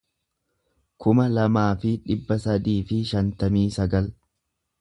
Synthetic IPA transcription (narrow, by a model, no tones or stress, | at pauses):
kʰʊmɐlɐmaːfɪᶑɪbːɐsɐd̪iːfɪʃɐnt̪ɐmiːsɐɡɐl